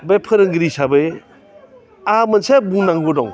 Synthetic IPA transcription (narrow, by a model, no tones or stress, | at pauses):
bepʰɯɾɯŋɡɾisabɯj | amɐnsebunaŋɡɔdɔŋ